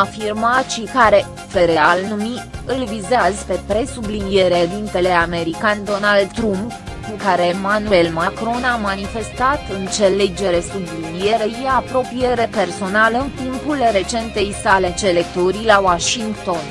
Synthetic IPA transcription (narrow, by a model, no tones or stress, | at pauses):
afirmat̪ʃikaɾe̞ | pe̞ɾe̞alnumiɨlvizazpe̞pɾe̞sublinije̞ɾed̪int̪e̞le̞ame̞ɾikand̪o̞nald̪t̪ɾump | kukaɾe̞ːmanue̞lmakɾo̞namanife̞st̪at̪ɨnt̪se̞led͡ʒe̞ɾe̞sublinije̞ɾəjiapɾo̞pije̞ɾepe̞rso̞naləɨnt̪impulre̞t͡ʃe̞nt̪e̞jsale̞t͡ʃe̞le̞k̚t̪oɾilawaʃiŋɡt̪o̞n